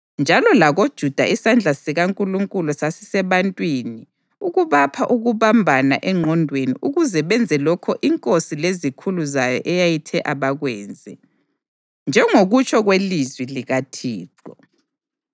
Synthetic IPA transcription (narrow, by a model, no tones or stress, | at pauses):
nd͡ʒʱalɔlaɣod̥ʒ̥ʱud̥ʱa̰isand͡ɮʱasiɣaŋkʼuluŋkʼulusasi̥sɛβantʼwini | uɣuβapʰaʔuɣuβambʱanaʔɛŋ͡ǃʱɔndʱwenḭʔuɣuzɛβɛnd͡zʱɛlɔkʰɔʔiŋkʼosilezikʰuluzajɔ̰ʔɛjajitʰɛʔaβaɣwɛːnd͡zʱɛ | nd͡ʒʱɛŋoɣut͡ʃʰʼɔɣwelizwiliɣatʰiːǃɔ